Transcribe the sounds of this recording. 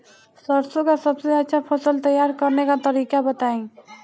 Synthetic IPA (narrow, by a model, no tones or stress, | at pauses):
səɾsokasəbseətːʃʰapʰosəlt̪əjːaɾkəɾnekat̪əɾikabət̪aĩ